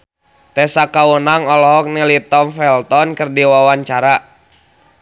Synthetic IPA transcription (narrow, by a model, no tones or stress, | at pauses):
t̪ɛsakawənaŋɔlɔɦɔk̚nɛlit̪ɔmfɛlt̪ɔnkɨrdiwawaɲt͡ʃaɾa